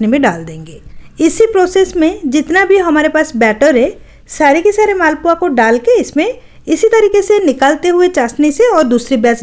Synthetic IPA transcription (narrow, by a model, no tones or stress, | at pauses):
nimẽɖaːld̪ẽːŋɡeːɪsipɾoːseːsmẽd͡ʒɪt̪nabʱiɦɐmaːɾepaːsbɛːʈəɾɦɛ | saːɾekisaːɾemaːlpuakoɖaːlkeɪsmẽ | ɪsit̪ɐɾiːkesenɪkaːlt̪eɦʊet͡ʃaːsniseɔːɾd̪uːsɾibjaːz